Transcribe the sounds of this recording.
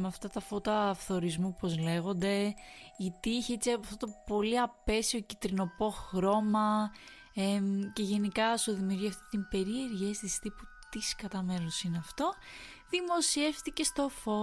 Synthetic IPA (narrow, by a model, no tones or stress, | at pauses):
meɐft̪ɐt̪ɐfo̞t̪ɐːfθo̞ɾizmupo̞zle̞ɣo̞nd̪e̞it̪iiçeet͡siɐɐft̪ot̪opo̞liɐpe̞sio̞cit̪ɾino̞po̞xɾo̞mɐ | ece̞ʝe̞nikɐsoðimiuɾʝiɐft̪ot̪imbe̞ɾie̞ɾʝest̪ist̪ipu | t̪iskɐt̪ɐme̞nosineɐft̪o̞ | ðimo̞sie̞fθtice̞st̪o̞fo̞